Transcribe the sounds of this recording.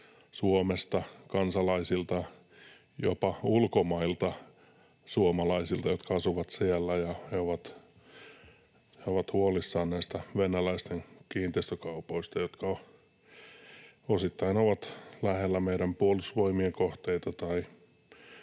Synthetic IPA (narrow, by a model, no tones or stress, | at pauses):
suomest̪ɑkɑnsɑlɑisilt̪ɑ | jo̰pɑulkomɑilt̪ɑ | suomɑlɑisilt̪ɑjot̪kɑɑsuʋɑt̪siælːæjɑheoʋɑt̪ | heoʋɑt̪huolisːɑːnnæist̪æʋenælæist̪enkiːnt̪eist̪økɑupoist̪ɑjot̪kɑ | osit̪ːɑinoʋɑt̪læhelːæmeiɾæmpuolusʋoimiekoht̪eit̪ɑt̪ɑi